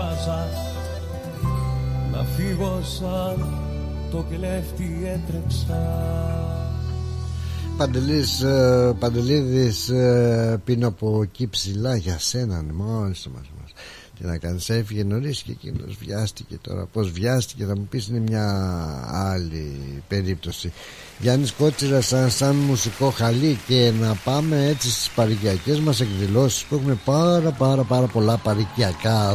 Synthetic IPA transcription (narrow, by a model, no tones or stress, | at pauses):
ɐsɐs | nɐ̰fiɣosɐ | t̪okeleft̪i | et̪ɾeksɐ | pɐnd̪elispɐnd̪e̞liðis | pinoɐpocipsilɐʝɐse̞nɐnmolist̪ɐmɐ̰lsmɐ̰s | t̪inɐkɐnisefiʝeno̞ɾisi̥cecḭno̰zvʝɐst̪i̥ce̞t̪o̞̰ɾɐ̰po̞zvʝɐst̪i̥ce̞θɐmupisine̞mɲɐ | ɐlipe̞ɾip̚t̪o̞si | ʝɐnisko̞t̪t͡sizɐsɐnsɐnmusiko̞xɐlice̞nɐpɐme̞et͡sist̪i̥spɐɾiciɐce̞zmɐse̞kðilo̞si̥spuexume̞pɐɾɐpɐɾɐpɐɾɐpo̞lɐpɐɾiciɐkɐ